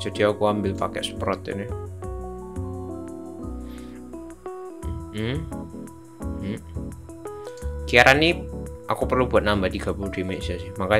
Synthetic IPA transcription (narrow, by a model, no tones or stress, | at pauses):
d͡ʒ̥a̤d̥iakuambɪlpa̰kɛ̰ʔsə̥pɾɔt̪ḭnɪ | kiaɾʔaniʔakupərlubuat̪̚nambadiɡ̥a̤buŋd̥imeʔsasɪhmaka